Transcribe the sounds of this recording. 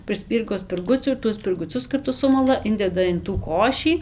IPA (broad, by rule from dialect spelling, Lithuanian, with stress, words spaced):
prɨˈsʲpʲiːrɡoː sʲpʲɪrˈɡʊt͡sʲuː ɪr ˈtuɔs sʲpʲɪrɡʊˈt͡sʲʊs kɐrˈtʊ ˈsʊmɐlˠɐ ˈɪnʲdʲɛdɐ ɪn tuː ˈkoːʃʲiː